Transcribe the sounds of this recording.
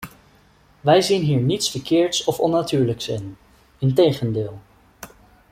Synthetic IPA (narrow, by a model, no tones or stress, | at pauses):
ʋɛjzinɦiːɹnitsfəɹkɪːɹtsɔfɔnːatyːɹləksɪn | ɪntejχəndɪːlˠ